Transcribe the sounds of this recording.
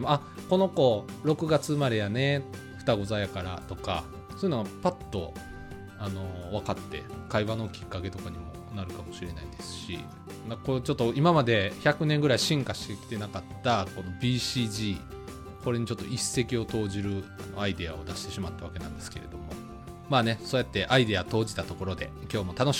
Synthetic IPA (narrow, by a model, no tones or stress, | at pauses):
emoa | ko̞no̞ko̞ːɾo̞kɯ̟ɡat͡sɨmaɾe̞jane̞ | ɸɯ̟̥t̪aɡo̞zajakaɾa̰t̪o̞ka̰ | sojɯ̟noɡapat̪ːo̞̰ | ano̞β̞akat̪ːe̞̰kaiβano̞kʲi̥kːake̞t̪o̞kaɲ̟imo̞ | naɾɯ̟kamo̞ɕiɾe̞na̰id̪e̞sɨ̥ɕḭ | ɡ̪akot͡ɕo̞t̪ːo̞imamad̪e̞çakɯ̟nẽ̞ŋɡɯ̟ɾaiɕĩŋkaɕi̥t̪ekʲi̥t̪e̞nakat̪ːako̞no̞bʲiːɕiːʑiː | ko̞ɾe̞ɲ̟it͡ɕo̞t̪ːo̞ise̞kʲio̞t̪o̞ːʑiɾɯ̟ano̞̰aid̪e̞ao̞d̪aɕi̥t̪e̞ɕimat̪ːaβake̞nã̰nd̪e̞sɨ̥ke̞̰ɾe̞̰d̪o̞mo̞ | maːne̞soːjat̪ːe̞ʔaid̪eat̪o̞ːd͡ʑit̪at̪o̞ko̞ɾo̞d̪e̞kʲo̞ːmo̞t̪ano̞ɕ